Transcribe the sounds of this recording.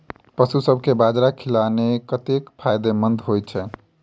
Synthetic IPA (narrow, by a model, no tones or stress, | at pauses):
pəsusəbʱkebad͡ʒɾakʰilanekət̪ekpʰajd̪emənd̪ʱɦojt͡ʃʰɛ